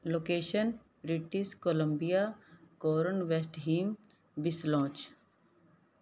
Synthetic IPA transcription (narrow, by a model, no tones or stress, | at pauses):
loːkeːʃən | bɾiʈiskoləmbijakoːɾənʋesʈɦiːm | bɪslɔ̃ːt͡ʃ